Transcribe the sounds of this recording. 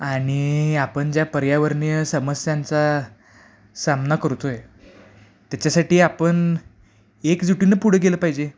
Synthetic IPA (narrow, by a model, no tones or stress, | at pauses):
aɽ̃iapəɳd͡ʑjapəɾjaʋəɾɳjəsəməsjant͡sa | samnakəɾut̪oe | t̪jat͡ɕasaʈiːapəɳ | ekd͡zuʈinːəpuɽ̤əɡeləpaɦid͡ʑe